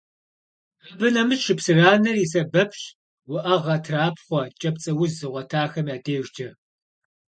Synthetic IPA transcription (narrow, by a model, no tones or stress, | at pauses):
ɐbɨnɐmɨsʃɨpsɨraːnɐriːsɐbɐpʰɕ | wʊʔɐʁɐtʰraːpʰχʷɔt͡ʃʼɐp̚t͡sʼɐwʊzɨʁʷɐtʰaːxɐmjaːtʰeːʒd͡ʒɐ